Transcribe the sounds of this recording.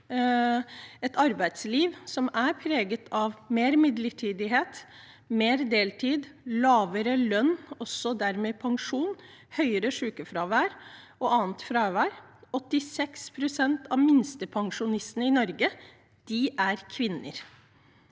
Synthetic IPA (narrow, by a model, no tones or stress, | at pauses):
ɛt̪ɑɾbæɪt̪sliːʋsɔmæɾpʰɾeːɡət̪ʰɑʋmeːɾmɪd̪ləʈʰiːd̪ɪɦeːt̪ | meːɾd̪eːlʈ̪ʰiːd̪lɑːʋəɾəlœnːɔsːɔd̪æɾmɛːpʰɑŋʂuːnhœʏəɾəʂʉːkəfɾɑːʋæːɾ | ɔʔɑːnt̪fɾɑːʋæːɾɔt̪ːɪsɛkspʰɾʊsɛnt̪ʰɑʋmɪnst̪əpʰɑŋʂʊnɪst̪nəɪnɔɾɡə | d̪̥ɪʔæɾkʰʋɪnːə̰ɾ